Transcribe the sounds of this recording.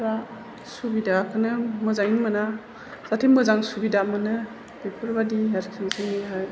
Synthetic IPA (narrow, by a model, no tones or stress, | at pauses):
ba | subidakʰɯnɯmɯzajinmɯna | z̥atʰimɯzaŋsubidamɯnɯ | b̥epʰɯɾbadiɦaɾkʰizɯŋiɦaj